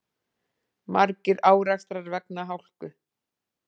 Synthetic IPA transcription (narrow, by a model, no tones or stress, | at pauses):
maɾcɪɾaːwɾakst̪ɾaɾvɛknaɦawl̥kʏ